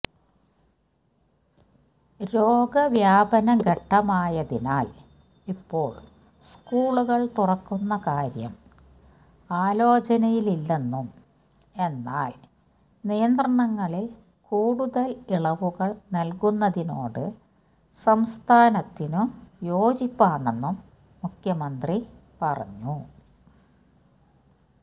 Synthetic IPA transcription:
ɾo̞ːɡɐʋjaːbɐnɐɡɐʈːɐmaːjɐðina̰ːl | ipːo̞̰ːɭ | skuːɭuɣɐɭt̪urɐkːunːɐkaːɾjɐ̰m | aːlo̞ːt͡ɕɐnɐjililːenːum | e̞nːa̰ːl | nijɐnd̪rɐɳɐŋːɐɭil | kuːɽuðɐliɭɐʋuɣɐɭnɐlkunːɐðino̰ːɽɨ | sɐmst̪ʰaːnɐt̪ːinumjo̞ːd͡ʑipːaːɳenːumː | ukʰjɐmɐnd̪ripɐrɐ̰ɲːu

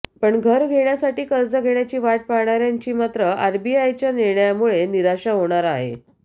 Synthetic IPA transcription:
pəɳɡʱəɾɡʱeɳjasaʈiːkəɾd͡zəɡʱeɳjat͡ɕiːʋaʈ̚paɾɳaɾjaɲt͡ɕiːmat̪ɾəaɾbiajt͡ɕjaniɾɳəjamuɭeniɾaɕaɦoɽ̃aɾaɦḛ

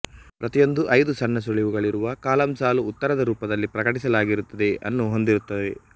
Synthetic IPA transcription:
pɾɐt̪ijo̞nd̪uʔɐjd̪usɐnːɐs̬uɭiʋuɡɐɭiɾuʋɐkaːlɐmsaːluːt̪ːɐɾɐd̪ɐɾuːpɐd̪ɐlːipɾɐkɐʈisɐlaːɡiɾut̪ːɐd̪e̞ɐ̰nːuɦo̞nd̪iɾut̪ːɐde

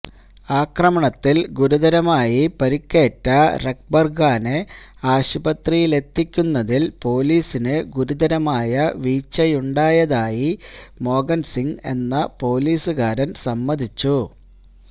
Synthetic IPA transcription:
aːkrɐmɐɳɐt̪ːilɡuɾuðɐɾɐmaːjipɐɾikʲːe̞ːʈːɐrek̚bɐrɡaːne | aːɕubɐt̪rijile̞t̪ːikʲːunːɐðilpo̞ːliːsinɨɡuɾud̪ɐɾɐmaːjɐʋiːt͡ɕːɐjuɳɖaːjɐðaːjimo̞ːɡɐnsiŋe̞̰nːɐpo̞ːliːsɨɣaːɾɐnsɐmːɐd̪ʱit͡ɕːu

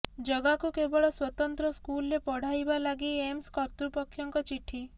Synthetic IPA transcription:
d͡ʒɔɡakukebɔɭɔswɔt̪ɔnt̪ɾɔskulɾepɔɽ̤ajbalaɡiemskɔɾt̪upɔkʰjɔŋkɔt͡ʃiʈʰi

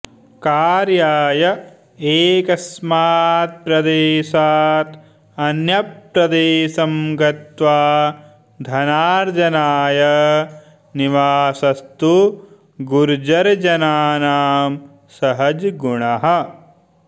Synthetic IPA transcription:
kaːɾjaːjɐ | eːkɐsmaːt̪̚pɾɐd̪eːʃaːt̪ | ɐnjɐp̚ɾɐd̪eːʃɐmɡɐt̪ʋaː | d̪ʱɐnaːɾd͡ʒ̪ɐnaːjɐ | niʋaːsɐst̪u | ɡuɾd͡ʒɐɾɐd͡ʒɐnaːnaːm | sɐɦɐd͡ʒɡuɳɐɦɐ̆

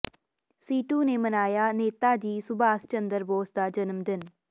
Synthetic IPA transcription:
siːʈuːneːmənaːjaːneːt̪aːd͡ʒiːsʊbaːst͡ʃənd̪əɾboːsd̪aːd͡ʒənəmd̪ɪn

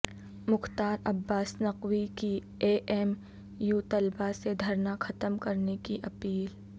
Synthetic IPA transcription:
mʊxt̪aːɾɐbːaːsnɐqwiki | eːʔɛːm | juːt̪ɐlbased̪ʱɐɾnaxɐt̪əmkɐɾnekiʔɐpiːl

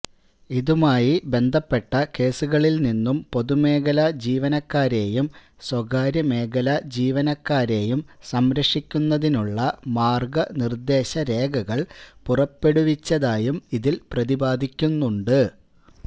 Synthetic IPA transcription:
iðumaːjibe̞nd̪ʱɐpːe̞ʈːɐke̞ːsuɣɐɭilninːumpo̞ðume̞ːɡɐlɐd͡ʑiːʋɐnɐkːaːɾe̞ːjum | swɐɡaːɾjɐme̞ːɡɐlɐd͡ʑiːʋɐnɐkːaːɾe̞ːjumsɐmɾɐʂikʲːunːɐðinuɭːɐmaːrɡɐnird̪e̞ːɕɐɾe̞ːɡɐɣɐɭpurɐpːe̞ɽuʋit͡ɕːɐðaːjumiðilprɐðibaːd̪ʱikʲːunːuɳɖɨ

